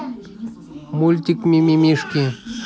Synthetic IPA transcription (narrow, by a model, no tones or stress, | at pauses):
mult̪ikmimimiʂkẽ